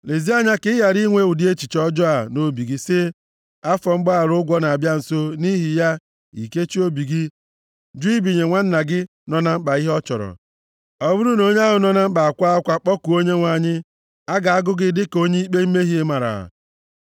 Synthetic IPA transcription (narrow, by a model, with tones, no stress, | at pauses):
le˨zi˦a˦ɲa˦kɪ˦ja˨ɾi˦ŋʷe˦˨ʊ˨di˦e˦t͡ʃi˨t͡ʃɔ˦d͡ʒɔ˦a˨no˦bi˨ɡi˦sɪ˦ | a˦fɔ˨ŋ͡m̩˦ɡ͡ba˦a˨ɾʊ˦ɡʷɔ˦na˨a˨bja˦n̩˨so˦ni˦ɦi˨ja˦ | ḭ˨ke˦t͡ʃi˦o˦bi˨ɡi˦ | d͡ʒi˦bi˨ɲe˨ŋʷa˦n̩˦na˨ɡɪ˦ | nɔ˨na˦m̩˦k͡pa˨i˦ɦɔ˦t͡ʃɔ̰˨ɾɔ̰˨ | ɔ˦bʊ˦ɾu˦no˦ɲe˦a˦ɦʊ˨nɔ˦na˦m̩˦k͡pa˨a˨kʷa˦kʷa˦k͡pɔ˦ku˨o˦ɲe˦ŋʷa˨ɲɪ˦ | a˦ɡa˨a˦ɡʊ˦ɡɪ˦dɪ˦ko˦ɲe˦i˦k͡pe˦m̩˦me˦ɦi˦e˦ma˨ɾa̰˨a̰˨